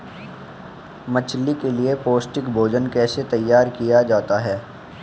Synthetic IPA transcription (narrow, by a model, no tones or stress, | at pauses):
mət͡ʃʰlikeliepoːsʈɪkbʱoːd͡ʒənkɛːset̪ɐjːaːɾkijad͡ʒaːt̪aɦɛː